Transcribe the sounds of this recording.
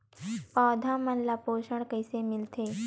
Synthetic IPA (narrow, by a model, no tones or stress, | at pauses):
paːd̪ʱamənlapoːʃəɽ̃kəjsemɪlt̪ʰe